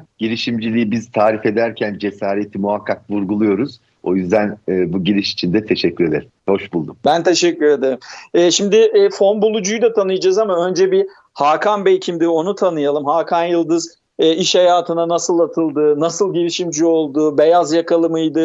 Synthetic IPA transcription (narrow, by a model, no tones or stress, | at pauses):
ɟ̥iɾiʃimd͡ʒilʲiibizt̪ʰaːɾife̞d̪æɾcʰænd͡ʒe̞saːɾet̪ʰimuɦakʰːak̚vuɾɡulˠujo̞ɾuz̥ | o̞jyzd̪ænːbuɟiɾiʃi̥t͡ʃʰind̪ɛt̪ʰeʃɛcːyɾe̞d̪eɾimmho̞ʃbulˠd̪umbænt̪ʰe̞ʃɛcːyɾe̞d̪eɾimɛːʃimd̪ɪɛːfo̞nbulˠud͡ʒujd̪at̪ʰanɯjd͡ʒazamaø̞nd͡ʒɛbi | haːkʰanbejcʰimd̪io̞nut̪ʰanɯjalˠɯmhakʰanjɯlˠd̪ɯz | ɛːiʃhajaːt̪ʰɯnanasɯlˠat̪ʰɯlˠd̪ɯnasɯlˠɟiɾiʃimd͡ʒio̞lˠd̪ube̞jazjakʰalˠɯmɯjd̪ɯ